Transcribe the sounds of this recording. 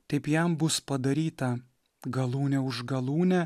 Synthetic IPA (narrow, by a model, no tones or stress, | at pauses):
t̪ʲɐɪpjɛmbʊspɐd̪ɐɾʲiːt̪ɐ | ɡɐlˠuːnʲɛʊʒɡɐlˠuːnʲɛ